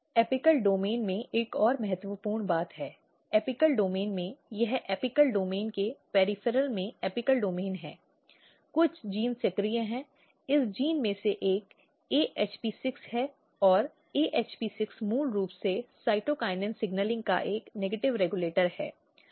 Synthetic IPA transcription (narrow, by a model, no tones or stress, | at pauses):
ɛːpɪkəlɖoːmeːnmẽʔeːkɔːɾmɐɦət̪wəpuːɾɳbaːt̪ɦɛː | ɛːpɪkəlɖoːmeːnmẽjɐɦɛːpɪkəlɖoːmeːnkepɛːɾɪfʰəɾəlmẽɛːpɪkəlɖoːmeːnɦɛː | kʊt͡ʃʰd͡ʒiːnsekɾiãɦɛ̃ː | ɪsd͡ʒiːnmẽseʔeːk | eːʔeːt͡ʃpiːsɪkshɛː | ɔːɾ | eːʔeːt͡ʃpiːsɪksmuːlɾuːpsesaːɪʈokaːɪnɖə̃nsɪɡnəlɪ̃ŋɡ̚ka̰ʔeːkneːɡeʈɪʋɾɛːɡuleːʈəɾhɛ̰ː